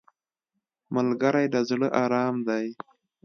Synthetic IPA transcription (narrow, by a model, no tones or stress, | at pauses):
malɡaɾajd̪azɽəʔɑːɾɑːmd̪aj